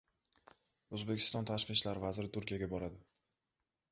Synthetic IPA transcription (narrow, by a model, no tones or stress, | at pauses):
ɵzbe̞kʲʰɪ̥st̪ɒnt̪ʰaʃqɨʃlaɾvazɾɪt̪ʊɾkʲijaɡʲabɒɾad̪ɪ